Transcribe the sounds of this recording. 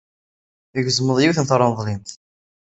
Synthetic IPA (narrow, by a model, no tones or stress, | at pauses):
əɡzəməðˤjiwθənθɾˤːɑnðˤlimθ